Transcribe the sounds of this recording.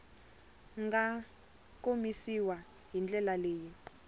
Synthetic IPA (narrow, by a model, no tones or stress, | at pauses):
ŋɡa | komisiwa | ɦind͡ɮɛlaleːji